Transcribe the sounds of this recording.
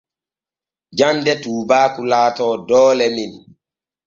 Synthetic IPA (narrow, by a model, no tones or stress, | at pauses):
d͡ʒandɛtuːbaːkulaːtɔːdɔːlɛmin